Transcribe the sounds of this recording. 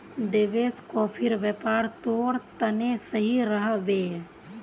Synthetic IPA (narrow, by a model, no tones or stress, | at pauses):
d̪eʋeːskopʰɪɾʋjepaːɾt̪oːɾt̪ənesəɦiɾəɦʋeː